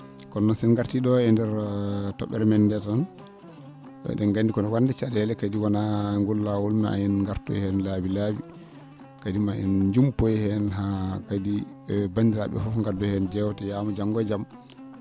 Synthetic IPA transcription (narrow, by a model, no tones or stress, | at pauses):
kɔnːɔnsɛnŋɡaɾtiɗɔɛndɛɾtɔ̰ɓːɛɾɛmɛndɛtan | ɗɛnɡandikɔnɔwanːdɛt͡ʃadɛlɛkadiwanaŋɡulːawulmɛa̰jɛnŋɡaɾtɔ̰hɛnlabilabi | kadimaɛ̰nd͡ʒumpojhɛnɦakadibandiɾaɓɛ̰fufŋɡadɔhɛnd͡ʒɛwtɛjaːmɔd͡ʒaŋɡɔd͡ʒam